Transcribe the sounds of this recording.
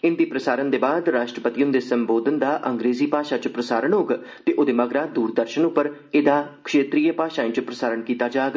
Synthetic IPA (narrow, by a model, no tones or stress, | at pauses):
ɪnd̪iːpɾəsaːɾənd̪eːbaːd̪ɾaːʃʈɾəpət̪ijʊ̃nd̪eːsəmboːd̪ənd̪aːʔəŋɡɾeːziːpaːʃaːt͡ʃpɾəsaːɾənɦoːɡ | t̪eːʔod̪eːməɡɾaːd̪uːɾd̪əɾʃənʊpːəɾ | ɪd̪aːkʰʃeːt̪ɾiːəpaːʃaːĩːt͡ʃpɾəsaːɾəɳkiːt̪aːd͡ʒaːɡ